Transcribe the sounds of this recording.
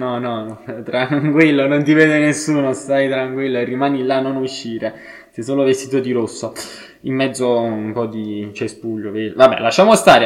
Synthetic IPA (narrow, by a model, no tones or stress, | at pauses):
nɔnɔt̪ɾaŋŋkwilːonont̪̬ivɛːd̪enesːuːnost̪ajt̪ɾaŋkwilːoerːimaːnilːanːonuʃːiːɾe | sɛsoːlovest̪iːt̪̬od̪iɾosːo | imːɛd̪zːoumpɔd̪it͡ʃespuʎːovevabːɛ̰laʃːaːmost̪aːɾe